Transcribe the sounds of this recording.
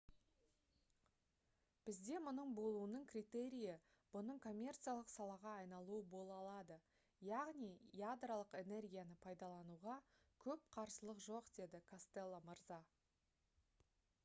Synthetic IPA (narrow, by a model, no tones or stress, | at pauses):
b̥ɪzd̪e̞mʊnəɴbo̞lˠuənəɴkrʲit̪e̞ɾʲijɪ | b̥ʊnəɴkʰo̞mʲːe̞rt̪sɨjalˠəqsɑlˠɑʁɑːjnɑlˠuəbo̞lˠɑlˠɑd̪ə | jɑʁnijjad̪ralˠəqe̞ne̞rɡʲijanəpʰɑjd̪ɑlˠɑnuʁɑ | kʲʰɵp̚qʰɑɾsəlˠəqʒo̞qd̪̥e̞d̪ɪkʰast̪elˠːoməɾzɑ